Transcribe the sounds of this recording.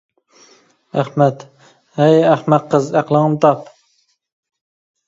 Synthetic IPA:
æχmɛt̪ | hɛjæχmɛt̪̚qʰəzæqlˠəŋɨmt̪ʰɑp

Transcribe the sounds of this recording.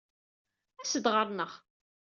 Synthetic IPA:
æsəd̪ʁəɾˤnəʁ

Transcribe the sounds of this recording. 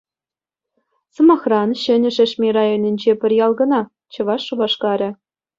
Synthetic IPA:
sɤ̆mɑχrɑnɕɘ̆nʲɘ̆ʐɘ̆ʂmʲerɑjonʲĭnʲd͡ʑepʲɘ̆rʲjɑlˠɡɤ̆nɑ | t͡ɕɤ̆ʋɑʂːuʋɑʂkɑɾʲɘ̆

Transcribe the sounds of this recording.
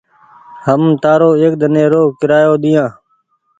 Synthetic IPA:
həmt̪aːɾoːeːk̚d̪ʱənẽːɾoːkɪɾaːjoːd̪ɪjãː

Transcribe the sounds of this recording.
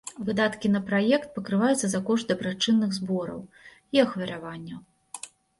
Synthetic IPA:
vɨd̪at̪kʲinɐpɾajɛkt̪̚pɐkɾɨvajut̪sɐzakɔʂt̪d̪ɐbɾat͡ʂɨnːɨɣzbɔɾɐ̰w | iɐxvʲɐɾavanʲːɐw

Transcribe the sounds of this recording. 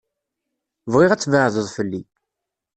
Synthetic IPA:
vʁɪʁæt͡sːvəʕðəðˤfəlːi

